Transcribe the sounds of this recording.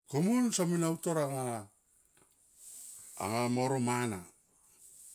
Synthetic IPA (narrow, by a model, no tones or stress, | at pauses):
komunsaminautoɾaŋa | ŋamoɾomana